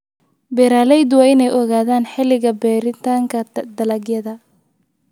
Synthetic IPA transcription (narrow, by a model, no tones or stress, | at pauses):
bɛːɾaːlɛjd̪wɑːɪnɛjʔɔɣaːðaːnħɪlɪɣɐbɛːɾɪt̪ʰaːŋkʰɐd̪ɐlɐɡjɐðɐ